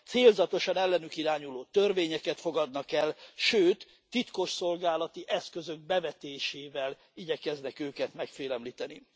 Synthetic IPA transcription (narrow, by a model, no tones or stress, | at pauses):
t̪seːlzɒt̪o̞ʃɒnɛlːɛnykiɾaːɲuloːt̪ørveːɲɛkɛt̪fo̞ɡɒd̪̚nɒkɛlʃøːt̪ː | it̪ko̞ʃso̞lɡaːlɒt̪iʔɛskø̞zøɡ̚bɛvɛt̪eːʃeːvɛl | iɟɛkɛznɛkøːkɛt̪mɛkfeːlɛmlit̪ɛni